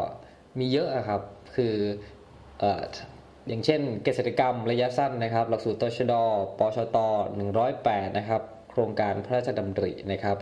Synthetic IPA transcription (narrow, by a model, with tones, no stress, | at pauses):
miː˧jɤ˦˥ʔa˨˩kʰa˦˥p̚kʰɯː˧ | ʔaː˨˩ | jaː˨˩ŋt͡ɕʰe˥˩nkaː˧˩t̪seː˨˩t̪a˧ka˧mɾa˧ja˦˥sa˥˩nːa˦˥kʰa˦˥p̚la˨˩k̚suː˨˩t̪ːɔː˧˩t͡ɕʰa˧dɔː˧pɔː˧˥t͡ɕʰɔː˧˩t̪ɔː˧˩nɯ˨˩ŋɾɔː˦˥˩jpɛː˨˩t̪̚na˦˥kʰa˦˥p̚kʰɾoː˧ŋkaː˧npʰa˧˦ɾaː˥˩t̪̚t͡ɕʰa˧da˧mt̪ɾḭ˨˩na˦˥kʰa˦˥p̚